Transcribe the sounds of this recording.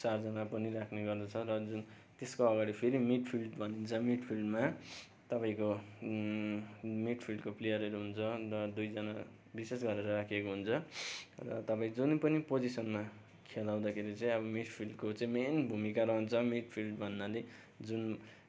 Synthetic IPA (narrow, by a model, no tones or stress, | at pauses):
t͡sard͡zʌnapʌniɾakʰneɡʌrd̪ʌt͡sʰʌɾʌd͡zun | t̪eskoʌɡaɽipʰeɾimiʈpʰilɖbʱʌnint͡sʰʌmiʈpʰilɖma | t̪ʌpaĩko | miʈpʰilɖkoplejʌɾeɾuɦunt͡sʰʌrʌd̪ujd͡zʌna | bisesɡʌɾeɾʌɾakʰekoɦunt͡sʰʌrʌ̰t̪ʌpaĩd͡zunpʌnipod͡zisʌnma | kʰelaw̃d̪akʰeɾit͡sãĩʌbʌmiʈpʰilɖkot͡sãĩmenbʱumikaɾʌɦʌnt͡sʰʌmiʈpʰilɖbʱʌnːale | d͡zun